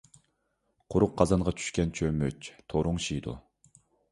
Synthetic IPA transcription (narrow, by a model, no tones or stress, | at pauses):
qʰʊɾʊqʰːɑzɑnʁɑt͡ʃʰy̥ʃkʲɛnt͡ʃʰømøt͡ʃt̪ʰoɾʊŋʃid̪ṵ